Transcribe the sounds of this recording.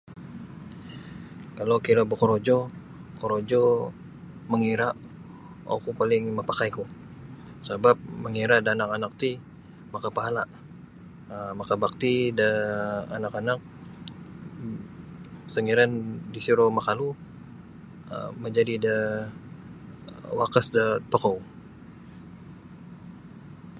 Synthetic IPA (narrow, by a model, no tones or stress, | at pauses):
kalowkilabəkoɾod͡ʒɔ | koɾod͡ʒɔ | məŋiɾaʔ | ʔa̰kupalɪŋməpakajku | sabap̚məŋiɾadaanakanak̚t̪i | makapaɦalaʔ | əmakabak̚t̪idəa̰nakanak̚ | səŋiɾandisiɾomakalu | ə̰məɲd͡ʒadidə | wakəsdət̪okow